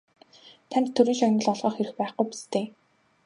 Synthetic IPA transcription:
t̪ʰænt̪t̪ʰːɵɾɘ̆nʃɔnɞ̆ɮɔɮʁœːχxeɾɘ̆xpæːχɡujpi̥st̪eː

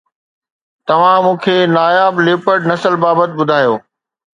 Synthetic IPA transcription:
t̪ɐʋ̤ãmũːkʰeːnaːjaːbleːpəɽnɐsəlbaːbət̪̚ɓʊd̪ʱaːjoː

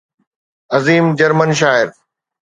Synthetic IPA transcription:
ɐziːmd͡ʑɐɾmənʃ̬aːɪɾ

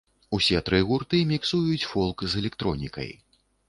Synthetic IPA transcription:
usʲɛt̪ɾɨɣurt̪ɨmʲiksujut͡sʲfɔlˠkzɛlʲɛkt̪ɾɔnʲḭkɐ̰j

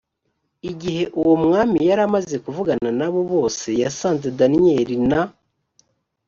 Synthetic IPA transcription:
iɟihe̞ʔuwomŋaːmijaɾamaze̞kuvuɡananaβo̞βo̞ːse̞jasaːnzedanije̞ɾina

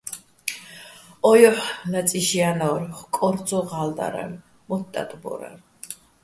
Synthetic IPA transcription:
ɔjɔħnat͡sʼiʃianɔɾχkʼɔɾd̪t͡sɔʁald̪a̰ɾɛ̰v | mɔtt̪ʼːa̰t̪ʼbɔ̰ɾa̰ɾ

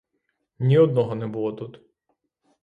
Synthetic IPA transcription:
nʲiɔd̪̚nɔɦɔnɛbulˠɔt̪ut̪

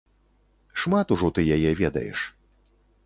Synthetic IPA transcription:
ʂmat̪uʐɔt̪ɨjajɛvʲɛd̪ɐ̰jɛ̰ʂ

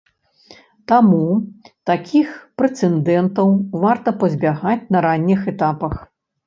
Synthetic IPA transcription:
t̪amut̪akʲʰixpɾɛt̪sɛnd̪ɛnt̪ɐwvart̪ɐpɐzʲbʲaɣat͡sʲnɐɾanʲːixɛt̪apɐx

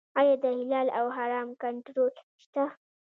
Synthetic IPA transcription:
ɑjɑd̪əhɪlɑlawɦaɾɑmkaɳʈɾol | ʃt̪a

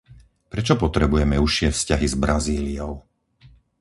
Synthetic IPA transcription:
pɾɛt͡ʃɔpɔt̪ɾɛbujɛmɛuʃɪɛfscaɦizbɾaziːliɔʊ

